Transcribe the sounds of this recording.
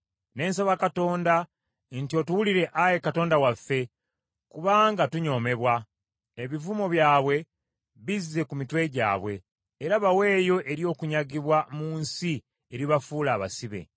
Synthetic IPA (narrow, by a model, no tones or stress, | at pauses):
ne̞ːnsaβakato̞ːnda | ntio̞tuwuliɾe̞ʔaje̞kato̞ːndawafːe̞ | kuβaːŋɡatuɲo̞ːme̞βwa | eβivumo̞βjaːβwe̞ | βizːe̞kumitwe̞ɟa̰ːβwe̞̰ː | ɾaβawe̞ːjo̞ʔe̞ɾjo̞ːkuɲaɡiβwamuːnsi | e̞ɾiβafuːlaːβa̰siβe̞̰